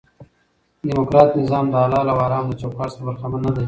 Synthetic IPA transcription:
dimokɾɑːt̪nɪzɑːmd̪ɑːlɑːlawɑːɾɑːmd̪ət͡ʃokɑːʈsɾbaɾxamanːad̪a

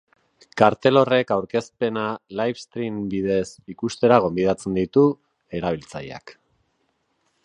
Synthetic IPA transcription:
kaɾt̪e̞lo̞re̞kawɾke̞spe̞nalajfst̪ɾimbiðe̞sikust̪e̞ɾaɣ̞o̞mbið̞at͡se̞nd̪it̪u | e̞ɾaβ̞ilt͡saja̰k

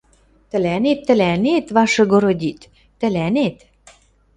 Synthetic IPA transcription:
t̪ə̆lænet̪ːə̆lænet̪βɑʃɤ̆ɡoɾod̪ʲit̪ː | ə̆lænet̪

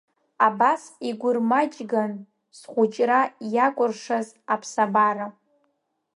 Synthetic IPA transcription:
abasiɡʷʊrmat͡ʃʼɡan | sχʷʊt͡ʃʼrajakʷʼʊrʂaz | apʰsabara

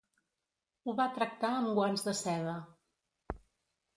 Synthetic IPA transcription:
uβat̪ɾək̚t̪aəmɡwanzðəsɛðə

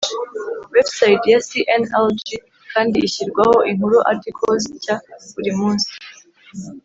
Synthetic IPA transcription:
websajitjasiʔeneld͡ʒi | kaːndiːçiɾɡwaho̞ʔiŋhuɾuʔaɾtikʰozicaβuɾimuːnsi̥

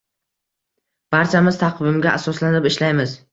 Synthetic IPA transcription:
b̥aɾt͡ʃʰamɪzt̪ʰaqʰvɪmɡʲaʔasɒslanɪpɪʃlajmɪz

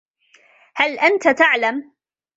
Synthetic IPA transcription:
halʔant̪at̪aʕlam

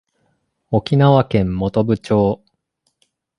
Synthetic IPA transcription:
o̞kʲinaβakẽ̞mːo̞t̪o̞bɯ̟t͡ɕo̞ː

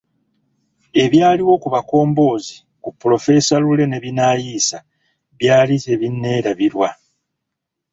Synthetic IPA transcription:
e̞βjaːliwo̞kuβako̞ːmbo̞ːzi | kupːulo̞fe̞salule̞ne̞βinaːjiːsa | βjaːlizeβinːe̞ːɾaβiɾwa

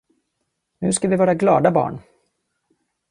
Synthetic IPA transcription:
nʉ̟̰ːskavɪvɑːɾaɡlɑːd̪abɑ̰ːɳ

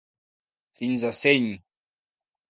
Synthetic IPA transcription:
finzaseɲ

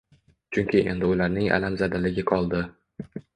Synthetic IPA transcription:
t͡ʃʰʊŋkʲʰɪʔe̞̰nd̪ɪʊlaɾnɪŋa̰lamzad̪alɪɡʲɪqʰɒlˠd̪ɪ

